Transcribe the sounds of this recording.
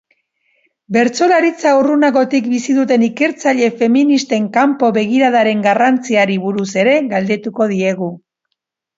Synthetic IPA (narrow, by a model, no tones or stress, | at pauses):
be̞ɾt͡so̞laɾit͡saurunaɣo̞t̪ikbisiðut̪̬e̞nike̞ɾt͡saʎe̞fe̞minist̪e̞ŋkampo̞βe̞ɣ̞iɾaðaɾe̞ŋɡarant͡siaɾiβuɾuse̞ɾe̞ɣald̪e̞t̪uko̞ð̞ie̞ɣ̞u